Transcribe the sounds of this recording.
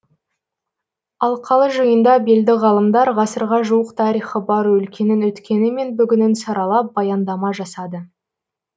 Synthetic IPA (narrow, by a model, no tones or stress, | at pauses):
ɑlˠqʰɑlˠəʒəjənd̪ɑbeld̪ɪʁɑlˠəmd̪ɑɾʁɑsəɾʁɑʒuwəqt̪ʰɑɾijχəbɑɾwɵlkʲe̞nɪnɵt̪kʲe̞nɪme̞nbʏɡʲɪnɪnsɑɾɑlˠɑp̚bɑjɑnd̪ɑmɑʒɑsɑd̪ə